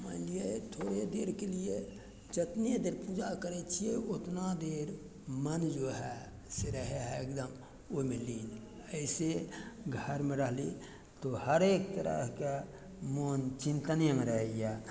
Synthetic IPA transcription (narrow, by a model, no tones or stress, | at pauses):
mə̃ɪlijet̪ʰoːɽed̪eːɾkelije | d͡ʒət̪ned̪eːɾpud͡ʒakəɾɛt͡ʃʰijeot̪nad̪eːɾ | mənd͡ʒoːɦɛ | seɾəɦeɦɛekd̪əm | omeliːn | əɪseɡʱəɾmẽɾəɦli | t̪ohəɾeːk̚t̪əɾə̰ɦke | moːnt͡ʃĩnt̪ənjemẽɾəɦeja